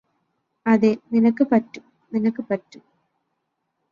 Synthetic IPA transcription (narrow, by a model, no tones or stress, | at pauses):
ɐðeninɐkːɨpɐtːum | ninɐkːɨpɐtːum